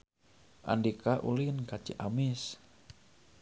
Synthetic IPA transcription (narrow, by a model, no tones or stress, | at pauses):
ʔa̰ndikaʔulinkat͡ʃiʔamɪs